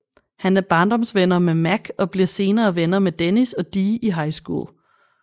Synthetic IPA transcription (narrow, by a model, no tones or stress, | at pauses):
hænæɐb̥ɑ̈ːnd̥ɒ̽msʋenɐmemæɡ̥ɒ̽b̥liɐse̝ːnɐːʋenɐmed̥enisɒ̽d̥iːʔiɦɑ̈ɪsɡ̥ṵ